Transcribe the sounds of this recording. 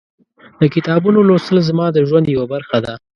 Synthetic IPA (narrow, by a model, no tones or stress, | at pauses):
d̪̥əkɪt̪ɑbunolosəlzmɑd̪əʒwand̪jawabaɾxad̪a